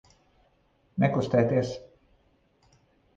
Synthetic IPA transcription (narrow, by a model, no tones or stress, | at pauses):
nʲɛklˠust̪ɛjt̪iɛs